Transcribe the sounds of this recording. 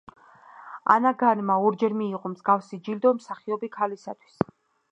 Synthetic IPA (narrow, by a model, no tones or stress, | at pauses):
a̰naɡanmaɔɾd͡ʒɛɾmiːqʼɔmzɡafsid͡ʒild̪ɔmsaχiɔbikʰalisat̪ʰwi̥s